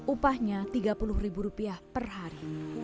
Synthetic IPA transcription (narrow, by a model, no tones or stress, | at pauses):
ʔupahɲat̪iɡapulʊhribuɾupiahpərɦaɾi